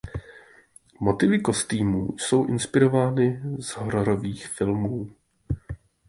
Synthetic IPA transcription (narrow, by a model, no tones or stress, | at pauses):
mo̞t̪ɪvɪko̞st̪iːmṵːso̞wʔɪnspɪɾo̞vaːnɪzɦoɾoɾo̞viːxfɪlmuː